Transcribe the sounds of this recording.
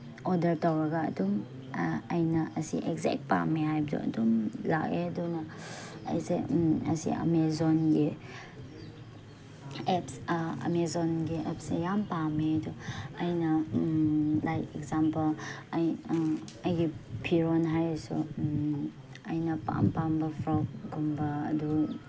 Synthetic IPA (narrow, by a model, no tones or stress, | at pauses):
ɔdɐɾtawɾɐɡɐ̰ːdum | ɐjnɐʔɐsḭʔɛkzɛ̰k̚t̚pa̰meɦajb̚dṵɐ̰dumlakedɔnɐɐ̰jsḛɐsḭa̰mezɔnɡi | ɛpsa̰mezɔnɡiʔɛpsejampameduɐjnɐ | lajkɛkzampɐlaj | ɐjɡipʰiɾɔnɦajsṵ | ɐjnɐpa̰mpambɐpʰɾɔk̚ɡumbɐ̰ːdu